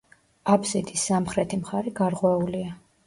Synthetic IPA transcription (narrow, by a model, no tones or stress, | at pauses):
abzid̪isːamχɾɛt̪ʰimχaɾɛɡaɾʁwɛulia